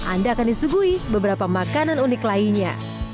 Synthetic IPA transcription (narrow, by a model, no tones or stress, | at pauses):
ʔa̰ndaːkandisuɡuibəbəɾapamakananunɪklaiɲa̰